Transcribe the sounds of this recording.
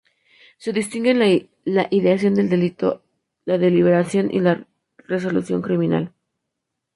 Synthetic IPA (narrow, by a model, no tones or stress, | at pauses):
se̞ðist̪iŋɡenl | laʔiðeas̬jo̞nd̪e̞ld̪e̞lit̪o̞̰ | laðe̞liβ̞e̞ɾasjo̞nʔḭla | re̞s̬o̞lṵsjo̞̰ŋkɾimĩna̰l